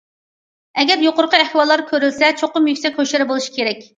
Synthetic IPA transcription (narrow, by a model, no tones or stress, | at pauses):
ɛɡʲɛɾjoqʊɾqʰəɛhwɑlˠːɑɾkʲʰøɾylsɛt͡ʃʰoqʊmjykʲsɛk̚ʲhøʃɪɾɪbolˠuʃi̥kʲʰeɾɛkʲ